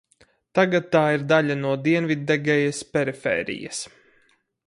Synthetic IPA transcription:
t̪aɡat̪ːaːiɾd̪aʎʲanuɔd̪iɛnvʲid̪ːɛɡɛjɐspʲɛɾifɛ̰ːɾḭjɐ̰s

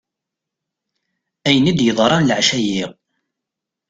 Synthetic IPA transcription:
æjənid̪jəðˤɾˤɑnlʕʃæjiʁ

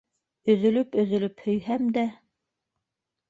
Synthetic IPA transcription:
ɵ̆ðɵ̆lɵpɵ̆ðɵ̆lɵphɵ̆jhæmd̪æ

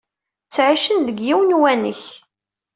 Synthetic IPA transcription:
t͡sːʕiʃənðəɡjiwənwænə̰ç

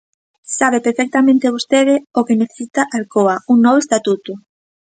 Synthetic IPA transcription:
saβepeɾfɛk̚t̪amẽnt̪eβust̪eðɪokeneθe̥sit̪aʔalkoauŋnɔβoest̪at̪ut̪ʊ

